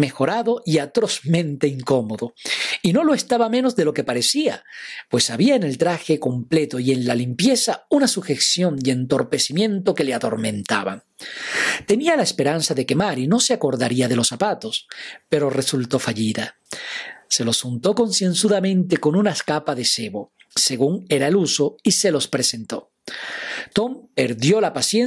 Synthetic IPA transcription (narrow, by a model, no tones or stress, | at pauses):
me̞xo̞ɾaðo̞ʔiat̪ɾo̞zmẽ̞nt̪e̞iŋko̞mo̞ðo̞inolo̞e̞st̪aβamẽ̞no̞zðelo̞ke̞paɾe̞siapwe̞saβiaene̞lt̪ɾaxeko̞mple̞t̪oie̞nlalimpje̞saunasuxe̞ksjo̞nd̪eent̪o̞ɾpe̞simjẽ̞nt̪o̞ke̞leaðo̞̰ɾmẽ̞nt̪aβa̰ | t̪e̞nialaespe̞ɾansaðe̞ke̞maɾino̞seako̞ɾðaɾiaðe̞lo̞sapat̪o̞spe̞ɾo̞re̞sult̪o̞faʝiða | se̞lo̞sxunt̪o̞ko̞nsje̞nsuðamẽ̞nt̪e̞ko̞nunaeskapaðe̞seβo̞ | se̞ɣuŋe̞ɾae̞luso̞ise̞lo̞spɾe̞se̞nt̪o̞ | t̪o̞mpe̞ɾðjo̞lapasjen